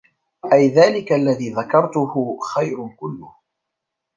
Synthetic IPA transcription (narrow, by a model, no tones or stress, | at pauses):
ʔajðaːlɪkaʔlːaðiːðakɑɾˤt̪ʊhʊxajɾkʊlːʊh